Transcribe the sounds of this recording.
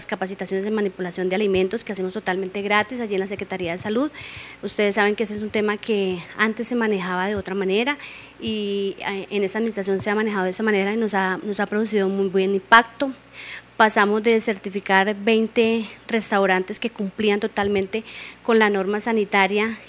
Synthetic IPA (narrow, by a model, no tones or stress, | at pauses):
skapasit̪asjo̞nesemanipulasjo̞nd̪ealimẽ̞nt̪o̞skease̞most̪ot̪alme̞nt̪e̞ɣɾat̪is̬aʝie̞nlas̬e̞kɾet̪aɾiaðe̞saluðust̪e̞ðesːaβe̞ŋkees̬esunt̪e̞makʰe̞ant̪e̞sːe̞manexaβað̞e̞o̞t̪ɾamane̞ɾa | i | ʔene̞st̪aðminist̪ɾas̬jo̞nse̞amane̞hɦaðo̞esamane̞ɾainosano̞sapɾoðus̬iðoumujbwenimpak̚t̪o̞ | pasamo̞zd̪e̞se̞ɾt̪ifikaɾbe̞jnt̪e̞re̞st̪awɾant̪e̞ske̞kumpliant̪o̞t̪almẽ̞nt̪e̞ko̞nlano̞ɾmasanit̪aɾja